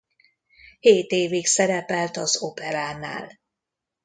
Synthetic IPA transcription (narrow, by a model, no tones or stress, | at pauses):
heːt̪eːviksɛɾɛpɛlt̪ɒzopɛɾaːna̰ːl